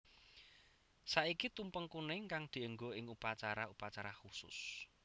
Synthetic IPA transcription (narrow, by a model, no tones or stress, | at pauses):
saikit̪umpəŋkunɪŋkaŋd̪̥i̤əŋɡoɪŋupat͡ʃaɾaupat͡ʃaɾaxusʊ̰s